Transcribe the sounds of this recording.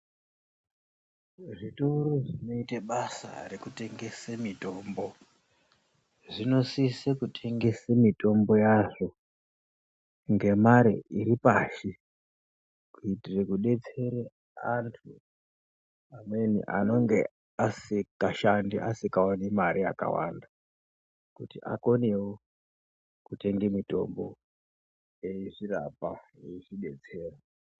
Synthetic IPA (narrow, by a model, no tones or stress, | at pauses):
ʐitoɾoʐino̞itaɓasa̰re̞kute̞ŋɡe̞semito̞ːmbo̞ | ʐino̞sisekutʰe̞ŋɡe̞semito̞mbo̞jaʐo̞ | ŋɡe̞maɾiiɾipaʃi | kuitirekuɗe̞t͡se̞ɾe | antʰu | amwe̞nḭʔa̰no̞ŋɡe̞̰ | asikaʃandḭʔasikaonimaɾijaka̰wa̰nda | kutiʔa̰ko̞newo | kute̞ŋɡemito̞̰mbo̞̰ | jeiʐira̰pajeʐiɗe̞t͡se̞ːra